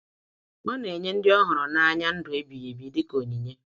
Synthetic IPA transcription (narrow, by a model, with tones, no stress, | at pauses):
ŋɔ˦ne˨ɲe˦n̩˦dɪ˦ɔ˦ɦʊ˨ɾʊ˨na˦a˦ɲa˦n̩˦dʊ˨e˦bi˨je˨bi˨˦dɪ˦ko˨ni˨ɲe˦